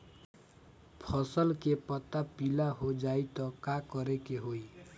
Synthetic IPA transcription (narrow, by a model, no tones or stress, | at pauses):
pʰʌsʌlkepʌt̪ːapilaɦod͡zajt̪ʌkakʌɾekeɦoj